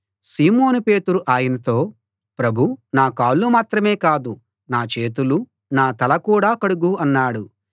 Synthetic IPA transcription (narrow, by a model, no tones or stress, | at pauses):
siːmo̞ːnupe̞ːt̪uɾuʔaːjɐnɐt̪o̞ː | pɾɐbʱunaːkaːlːumaːt̪ɾɐme̞ːkaːd̪u | naːt͡ʃe̞ːt̪̬ulu | naːt̪ɐlɐkuːɽaːkɐɽuɡuɐnːaːɽu